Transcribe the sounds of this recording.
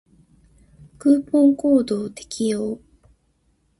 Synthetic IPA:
kɯːpõːŋko̞ːd̪o̞ːt̪e̞̥kʲʰijoː

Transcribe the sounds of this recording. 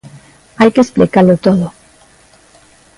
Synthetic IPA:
ajkesplikalot̪oðo

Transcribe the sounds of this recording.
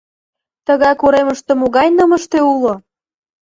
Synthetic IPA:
t̪əɣɑkoɾeməʃt̪ĕmoɣɑjnəməʃt̪eulo

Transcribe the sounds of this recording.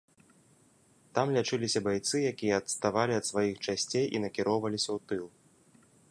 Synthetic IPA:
t̪amlʲat͡ʂɨlʲisʲɐbajt̪sɨjakʲijɐːt̪st̪avalʲiɐt̪svajixt͡ʂasʲt͡sʲejʔḭnɐkʲiɾɔwvɐlʲisʲɐwt̪ɨlˠ

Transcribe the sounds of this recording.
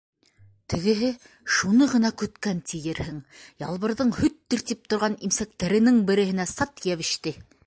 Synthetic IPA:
t̪ʰɘ̆ɡɘ̆ɦɘ | ʃunɤʁɤ̆nɑkɵ̆t̪kænt̪ʰijɘɾhɘŋjɑ̰lˠβɤ̆ɾðɤɴhɵt̪ːiɾt̪ip̚t̪ŏɾʁɑnimsæk̚t̪æɾɘ̆nɘŋbɘ̆ɾɘ̆hɘ̆næsɑt̪jæβɘ̆ʃt̪ɘ

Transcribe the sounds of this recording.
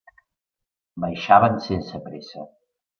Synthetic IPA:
bəjʃaβənsensəpɾesə

